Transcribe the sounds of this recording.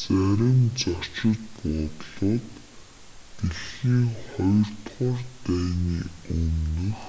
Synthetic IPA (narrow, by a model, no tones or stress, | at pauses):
t͡sæɾʲɪ̆mt͡sɔ̥t͡ɕɪ̆t͡ɕ̪pʊːt̪ɮʊːt̪ | ɡeɮxiːŋχɔjɞ̆r̥t̪ʁɔːrt̪æːniːɵmnɵ̆x